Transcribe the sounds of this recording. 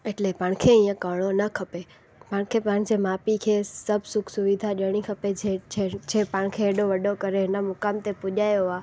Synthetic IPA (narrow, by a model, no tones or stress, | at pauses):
eʈlepãːɽ̃kʰeĩːə̃kəɽ̃onɐkʰɐpe | pãːɽ̃kʰepãːɽ̃d͡ʑeːmaːpikʰeːsɐbʱsʊkʰsʊʋid̪ʱaʄəɽ̃ikʰɐpeeed͡ʑʰeːpaːɽ̃kʰeːɗoʋɐɗokɐɾeɦɪnəmʊkaːmt̪epʊʄaːjoaː